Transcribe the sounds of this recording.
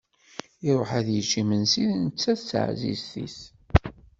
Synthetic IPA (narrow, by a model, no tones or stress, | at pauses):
iɾʊħaðjət͡ʃːimənsiðnət͡sːæsə̰ʕzḭsθḭθ